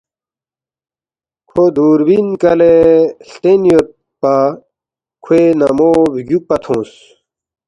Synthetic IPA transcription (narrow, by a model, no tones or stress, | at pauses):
kʰod̪uːɾwinkɐlest̪enijot̪̚ | pa | kʰwenɐmoːbɡjuk̚pɐt̪ʰõːs